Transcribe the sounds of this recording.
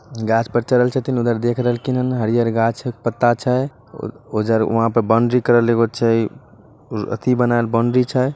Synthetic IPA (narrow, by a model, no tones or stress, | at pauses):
ɡat͡ʃʰpəɾt͡ʃələlt͡ʃʰət̪inud̪əɾd̪ekʰɾəɦəlkinənɦəɾijəɾɡat͡ʃʰpət̪ːat͡ʃʰə | ud̪əɾṵɦãpəɾbəɳɖɾikəɾəleɡot͡ʃʰə | ə̰t̪ʰibənaelbəɳɖɾit͡ʃʰəj